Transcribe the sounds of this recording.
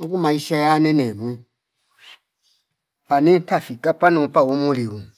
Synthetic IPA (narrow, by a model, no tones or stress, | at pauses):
kumãisajanɛ̃nɛ̃mũ | panĩtafikapanũpawomõliwũ